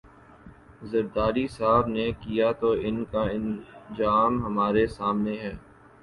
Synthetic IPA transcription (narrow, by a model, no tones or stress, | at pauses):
zɐɾd̪aːɾisaːbnekijat̪oɪnkaɪnzaːmɦɐmaːɾesaːmneɦɛː